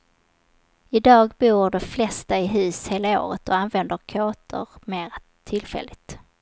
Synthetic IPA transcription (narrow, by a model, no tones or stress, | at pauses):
ɪd̪ɑːɡbuːɖɛflɛst̪aɪɦʉ̟ːsheːlao̰ːɾət̪ɔanvɛnd̪əɾkʰoːt̪ʰə̰ɾmeːɾa | t̪ʰːɪlfɛ̰lːɪt̪